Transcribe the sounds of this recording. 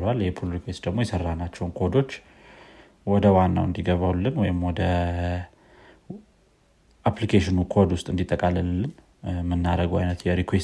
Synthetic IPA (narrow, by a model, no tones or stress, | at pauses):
lwaljɛhepʰolɾikwest̪d̪əɡmo̞jɛsərːanat͡ʃːɛwnkʰod̪o̞t͡ʃː | wɔd̪əwanːa̰wɨnd̪iɡəβawlːɨnwɔjɪmwɔd̪ə | ʔaplikʰeʃɪnukʰo̞d̪wʊst̪ʼɨnd̪it̪ʼːəkʼalːəllːɨn | mɨnːaɾəɡa̰jnət̪jɛɾikʰwes